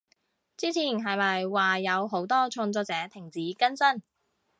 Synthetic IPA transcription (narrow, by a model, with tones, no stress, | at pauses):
t͡siː˥t͡sʰiː˨˩nɦɐ˨jmɐ˨jwaː˨jɐ˨˧wɦo˨˥wt̪ɔː˥t͡ʃʰɔː˧ŋt͡sɔː˧k̚t͡sɛː˨˥t̪ʰɪ˨˩ŋt͡siː˨˥kɐ˥nsɐ˥n